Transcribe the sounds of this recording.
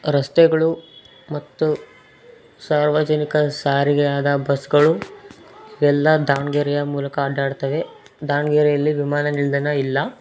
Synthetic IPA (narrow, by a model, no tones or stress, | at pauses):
ɾɐst̪ɛɡɐɭu | mɐt̪ːu | saːɾʋad͡ʒɐnikɐsaːɾiɡɛjaːd̪ɐbɐsɡɐɭu | iʋɛlːɐd̪aːɳɡeɾɛjɐmuːlɐkɐːɖaːɽt̪ɐʋe̞ | d̪aːɳɡeɾɛjɐlːiʋimaːnɐniɭd̪ɐnɐilːɐ